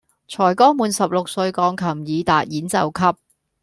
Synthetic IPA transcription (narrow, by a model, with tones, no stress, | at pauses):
t͡ʃʰɔː˨˩jkɔː˥muː˨˧nsɐ˨p̚lʊ˨k̚sɵ˧ɥkɔː˨˧˥ŋkʰɐ˨˩mjiː˨˧t̪a̰ː˨t̚jiː˨˥nt͡sɐ˨wkʰɐ˥p̚